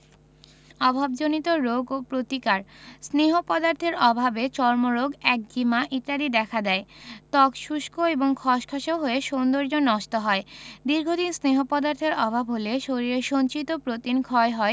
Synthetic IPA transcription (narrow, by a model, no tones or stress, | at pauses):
ɔbʱab̚d͡ʑonit̪oɾoɡopɾot̪ikaɾsneɦopɔd̪aɾt̪ʰeɾɔbʱabet͡ɕɔɾmoɾoɡɛk̚ɡimaʔit̪aɾid̪ɛkʰad̪ɛet̪ɔkʃuʃkoeboŋkʰɔʃkʰaʃoɦoeʃond̪oɾd͡ʑonːɔʃt̪oɦɔed̪iɾɡʱod̪insneɦopɔd̪aɾt̪ʰeɾɔbʱabɦoleʃoɾiɾeɾʃont͡ɕit̪opɾot̪inkʰɔeɦɔe